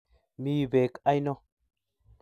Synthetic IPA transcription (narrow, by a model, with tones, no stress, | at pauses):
mi˦˨be˨ka˦jno˦